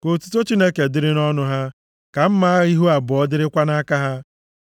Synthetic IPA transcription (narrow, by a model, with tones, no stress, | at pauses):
ko˨tu̥˨to˦t͡ʃi˦ne˦ke˨dɪ˦ɾɪ˦nɔ˦nʊ˦ɦa˦ | ka˨m̩˦ma˦a˦ɣi˦ɦu˦a˨bɔ˨ɔ˦dɪ˦ɾɪ˦kʷa˦na˦ka˦ɦa˦